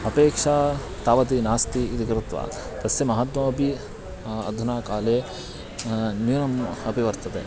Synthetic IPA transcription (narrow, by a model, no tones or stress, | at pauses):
ɐpeːkʂaː | t̪aːʋɐt̪inaːst̪iːd̪iɡɾɪt̪ʋa̰ | t̪ɐsjɐmɐɦad̪mɐɐbʱi | ɐ̰d̪ʱunaːkaːleː | njunɐmɐbʱiʋɐɾt̪ɐt̪ḛ